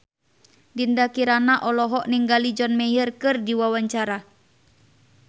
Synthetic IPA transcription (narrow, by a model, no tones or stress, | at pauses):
dindakiɾanaʔɔlɔɦɔʔniŋɡalid͡ʒɔnmɛjərkɨrdiwawaɲt͡ʃaɾa